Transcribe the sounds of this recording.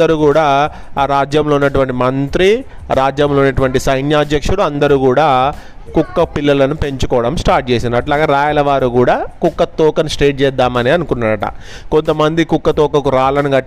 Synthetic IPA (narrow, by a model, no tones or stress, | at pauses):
ɐɾuːkuːɽaː | ɾaːd͡ʒjɐmlounːɐʈ̬uʋɐɳʈimɐnt̪ɾi | ɾaːd͡ʒjɐmloːunːɐʈuʋɐɳʈisɐjnjaːd̪jɐkʂuɽuɐnd̪ɐɾuːkuːɽaː | kukːɐpilːɐlɐnupe̞ɲt͡ʃukɔːɽɐmsʈaːɾʈ̚t͡ʃe̞ːsind̪iɐʈlaːɡaːɾaːjɐlɐʋaːɾukuːɽaːkukːɐt̪ɔːkɐnsʈeːʈ̚t͡ʃɛːd̪ːaːmɐneːɐnukunːaːɾɐʈɐ̰ | ko̞nt̪ɐmɐnd̪ikukːɐt̪ɔːkɐkuɾaːlɐnuɡɐʈː